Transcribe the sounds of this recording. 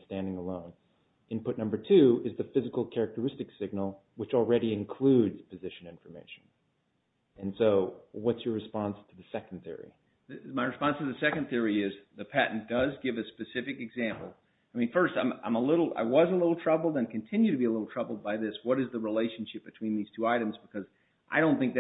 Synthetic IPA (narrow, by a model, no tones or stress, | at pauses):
stæ̃ndɪ̃ŋəlõʊ̃n | ɨ̃npʰʊtⁿnʌ̃mbə˞tʰʉɨzðɨfɪzɨkl̩ˠkʰɛɹɨk̚tə˞ɪstɨksɪɡ̚nl̩ˠ | wɨt͡ʃl̩ˠɹɛɾiɨ̃nkʰl̥ʉdz̥pʰɨzɪʃɨ̃nɪ̃ɱfə˞meɪʃn̩ | ɨ̃nsoʊwʌtsjə˞ɹɨspɑ̃nstʰɨðɨsɛkn̩θɪ̰ɹḭ | ðɨmaɪɹɨspɑ̃nstʰɨðɨsɛkɨ̃nθɪɹiɪzðɨpʰæʔn̩d̥ʌzɡɪvɨspɨsɪfɨkɨɡzæ̃mpl̩ˠ | aɪmĩnfɜ˞stãɪ̃mã̰ɪ̃məlɪɾl̩ˠa̰ɪwʌzəlɪɾl̩ˠtʰɹ̥ʌbl̩ˠdɨ̃ɪ̃kʰɨ̃n̩tʰɪ̃njʉɾɨbiəlɪɾl̩ˠtʰɹ̥ʌbl̩ˠd̚baɪðɪswʌɾɨzðəɹileɪʃn̩ʃɪp̚b̥ɨtʰw̥ĩnðiz̥tʰuaɪɾɨ̃mzbɨkʰʌz | ʔaɪɾõʊ̃nθɪ̃ŋk̚ð